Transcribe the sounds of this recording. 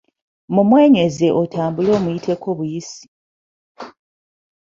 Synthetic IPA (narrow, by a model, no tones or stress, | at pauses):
mumwe̞ːɲe̞ze̞ʔotʰaːmbulo̞ːmujitʰe̞kʰo̞βujisi̥